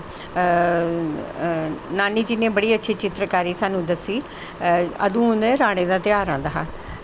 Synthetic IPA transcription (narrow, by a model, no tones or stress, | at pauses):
naːniːd͡ʒɪnẽːbəɽiːətːʃʰiːt͡ʃɪt̪ɾəkaːɾiːsaːnũːd̪əsːiː | ə̰d̪ũːneɾaːɽ̃ẽːd̪aːt̪ɪjaːɾãːnd̪aːɦaː